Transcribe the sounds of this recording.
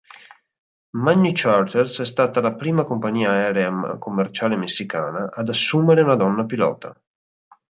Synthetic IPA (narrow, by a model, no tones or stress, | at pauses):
manːit͡ʃart̪ersɛst̪aːt̪alapɾiːmakompaɲiːaɛːɾeakomːert͡ʃaːlemesːikaːnaʔad̪asːuːmeɾeunad̪ɔnːapilɔ̰ːt̪ʰa̰